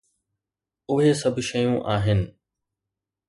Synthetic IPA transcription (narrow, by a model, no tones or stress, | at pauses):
ʊɦesɐbʱʃɐjũːʔaːɦɪnɪ̆